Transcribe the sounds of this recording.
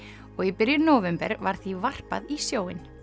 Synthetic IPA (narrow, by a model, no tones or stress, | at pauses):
ɔɣipɪɾjʏnoːwvɛmpɛ̰ɾvaɾ̥θivar̥pa̰ðisjoːwɪn